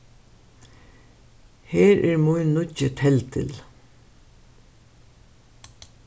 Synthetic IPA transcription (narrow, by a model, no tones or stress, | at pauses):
heːɾʔæɹmʊjnːʊcət̪ʰɛlt̪ʰɪ̰l